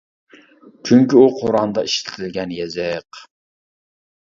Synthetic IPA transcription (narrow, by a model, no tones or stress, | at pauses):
t͡ʃʰyŋkʲiuqʰoɾɑnd̪ɑiʃt̪ɪ̥t̪ʰɪlɡʲɛnjɛzɪq